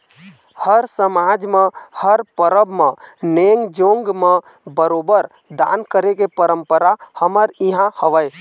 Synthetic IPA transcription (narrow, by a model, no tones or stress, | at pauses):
həɾsəmad͡ʒmehəɾpəɾəbʱmeneŋɡd͡ʒoŋɡmə | bəɾobəɾ | d̪a̰nkəɾekepəɾəmpəɾahəməɾiɦãhəʋəj